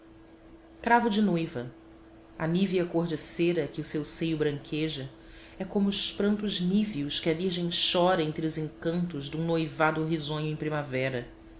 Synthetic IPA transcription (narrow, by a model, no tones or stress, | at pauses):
kɾavʊd͡ʒɪnojvɐ | ɐniviɐkoɾd͡ʒeseɾɐkɪʊsewsejʊbɾɐ̃ŋkʰeʒɐ | ɛkõmʊːʃpɾɐ̃nt̪ʊʒniviuskɪɐviɾʒẽj̃ʃɔɾɐẽnt̪ɾɪʊzẽŋkɐ̃nt̪ʊzd̪ũŋ̃nojvad̪ʊɦizõɲʊẽj̃pɾimavɛɾɐ